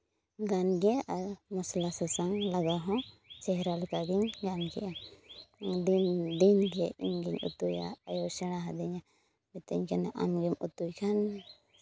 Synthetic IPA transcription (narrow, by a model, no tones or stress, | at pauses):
ɡanɡɛamɔslasɛsaŋlaɡaɦɔ̃ | t͡ʃɛɦɾalukaɡiɲɡanɡɛ̰ʔa | dd̪inɡɛimɡiɲṵt̪uja̰ːjɔsɛnaɦad̪ɛɲa | bɛt̪ɛɲkʰanɛʔa̰mɡɛmut̪ujkʰan